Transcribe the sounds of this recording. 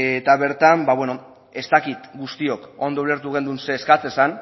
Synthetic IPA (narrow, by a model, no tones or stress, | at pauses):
et̪aβe̞ɾt̪ambaβwe̞no̞ | e̞st̪akit̪ɡust̪io̞ko̞nd̪oule̞ɾt̪uɣe̞nd̪unse̞ːskat͡se̞san